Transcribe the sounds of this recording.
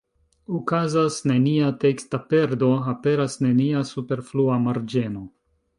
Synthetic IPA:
ukazasne̞niate̞kstape̞ɾdo̞ape̞ɾasne̞niasupe̞ɾfluamaɾd͡ʒe̞no̞

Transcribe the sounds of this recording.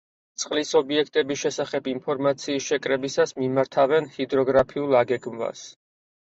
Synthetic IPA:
t̪sʼqʼlisɔbiɛkʰt̪ʼɛbisʃɛsaχɛbimpʰɔɾmat̪sʰiːsʃɛkʼɾɛbisasmimaɾt̪ʰavɛnhid̪ɾɔɡɾapʰiulˠaɡɛɡmva̰s

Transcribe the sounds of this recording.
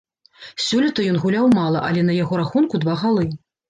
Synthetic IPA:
sʲulʲit̪ɐjɔnɣulʲawmalˠɐʔɐlʲɛnɐjaɣɔɾaxunkud̪vaɣalˠɨ

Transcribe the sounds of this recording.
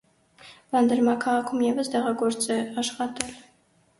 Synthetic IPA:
vɑnd̪əɾmɑkʰɑʁɑkʰumjɛvəst̪ɛʁɑɡɔɾt͡sɛɑʃχɑt̪ɛl

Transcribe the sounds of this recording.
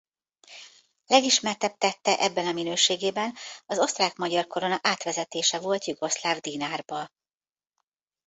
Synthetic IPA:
lɛɡiʃmɛrt̪ɛp̚t̪ɛt̪ːɛʔɛbːɛnɒminøːʃeːɡeːbɛnɒzo̞st̪raːkmɒɟɒrkoɾo̞nɒʔaːt̪ʋɛzɛt̪eːʃɛvo̞lt̪juɡo̞slaːvd̪iːnaːrbɒ

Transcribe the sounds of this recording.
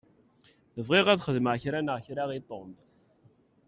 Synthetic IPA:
vʁiʁæðχəðməʕçɾænəʁçɾaʁit̪ˤːomt̪

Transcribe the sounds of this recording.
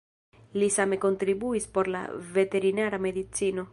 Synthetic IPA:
lisamekont̪ɾibuispoɾla̰vet̪eɾinaːɾameðit̪siːno

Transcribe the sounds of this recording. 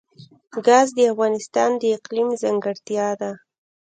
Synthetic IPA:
ɡɑzd̪əafɣɑnɪst̪ɑnd̪əɪqlimzaŋɡəɽt̪jɑd̪a

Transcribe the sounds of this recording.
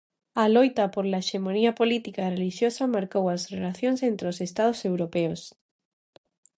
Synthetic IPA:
alojt̪apoɾlaeʃemoniapolit̪ikareliʃjosamaɾkowazrelaθjonsent̪ɾeosest̪að̞osewɾopeos

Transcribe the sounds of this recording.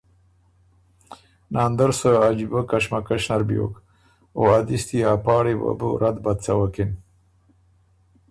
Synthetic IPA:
nɑːnd̪əɾsəad͡ʒibakaʃmakaʃnaɾbjo̰ːk | oad̪ist̪iaːpɑːɽiba̰bṵɾad̪bad̪t͡sawakin

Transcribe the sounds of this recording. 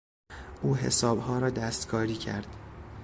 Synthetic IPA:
ʔuːɦe̞̰sɒːbhɒːɾɒːd̪æst̪kʰɒːɾiːcʰæ̰ɾd̪̥

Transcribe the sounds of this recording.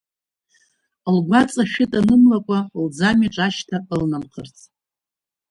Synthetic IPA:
lɡʷat͡sʼaʃᶣɪtʼanɨmlakʷʼald͡zamiʈ͡ʂʼaʃtʰaʔlnamqʰərt͡sʰʼ

